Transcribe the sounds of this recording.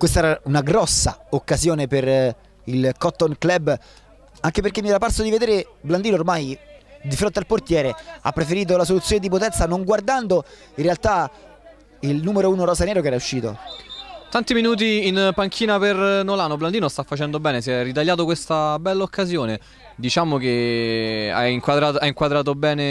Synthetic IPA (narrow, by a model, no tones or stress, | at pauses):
kwest̪aɛːɾaunaɡɾɔsːa̰okːazjoːneper | ilkɔt̪ːonklɛbː | aŋkeperk̟emːiɛɾaparsod̪ived̪eːɾe | bland̪iːnoːrmajd̪ifɾont̪ealport̪jɛːɾea̰pːɾefeɾiːt̪̬olasolut̪sjoːned̪ip̬ot̪ɛnt̪sanoŋɡward̪and̪o | inrːealt̪a | ilnuːmeɾouːnoɾɔːzaneːɾokɛːɾauʃːiːt̪o̰t̪ant̪iminuːt̪̬iːnpaŋk̟ʰiːnapernolaːnobland̪iːnost̪afːat͡ʃɛnd̪obɛːnes̬ɛrːit̪̬aʎjːaːt̪̬okwest̪abɛlːaokʰːazjoːne | d̪it͡ʃaːmok̟e | a̰iŋkwad̪ɾaːt̪aiŋkwad̪ɾaːt̪̬obɛːne